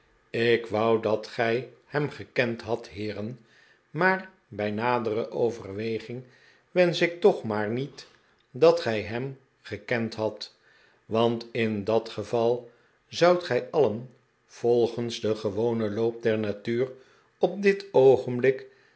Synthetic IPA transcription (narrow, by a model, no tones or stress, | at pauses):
ɪkʋʌwdɑtχɛjhɛmχəkɛntɦɑtɦɪːrən | maːr | bɛjnaːdərəʔowvərʋejχɪŋ | ʋɛnsɪk̚tɔχmaːɹnit | dɑtχɛjɦɛm | χəkɛntɦɑt | ʋɑntɪndɑtχəvɑlˠ | zʌwtχɛjɑlən | v̥ɔlˠχənzdəχəʋownəlowp̚dɛɹnatyːr | ɔp̚dɪtowχənblɪk